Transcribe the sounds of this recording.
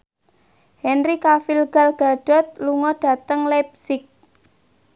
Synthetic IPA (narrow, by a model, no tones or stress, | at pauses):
hɛnrikafilɡ̥a̤lɡ̥a̤ɖ̥ɔ̤t̪̚luŋɔɖ̥a̤t̪əŋlɛp̚sɪk̚